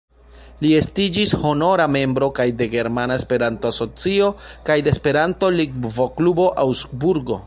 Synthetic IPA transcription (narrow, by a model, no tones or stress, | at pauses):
lie̞stid͡ʒisho̞no̞ɾame̞mbɾo̞kajde̞ɡe̞ɾmanae̞spe̞ɾanto̞aso̞t͡sio̞kajdeespe̞ɾanto̞liɡvoklubo̞ʔawsbuɾɡo̞̰